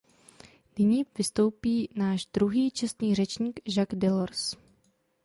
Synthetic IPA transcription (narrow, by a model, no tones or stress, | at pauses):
nɪɲiːvɪst̪o̞wpiːnaːʒd̪ɾuɦiːt͡ʃɛst̪ɲiːr̝ɛt͡ʃɲiːɡʒaɡdɛloɾs